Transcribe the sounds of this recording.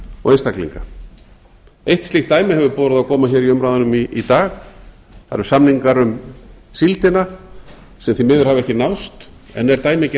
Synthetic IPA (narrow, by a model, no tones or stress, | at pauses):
ɔ̰ɣenst̪aklḭŋka̰ | ejht̪st̪ɪxt̪ːaːjmɪhɛvʏɾpɔːwɾʏðawkʰɔːmaçɛːɾiʏmɾawðʏnʏmiːt̪aːx | θa̰ɾʏɾsamniŋkaɾʏmsilt̪ɪna | sɛmθimɪːðʏɾ̥havɛhcɪnawst̪ | ɛ̰nɛɾt̪aːjmɪc